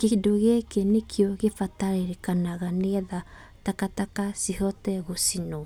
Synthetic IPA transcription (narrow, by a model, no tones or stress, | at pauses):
kedoɣakenekʰjɔɣefataɾeɾekanaɣanɛða | takatakasihɔtɛɣosinɔ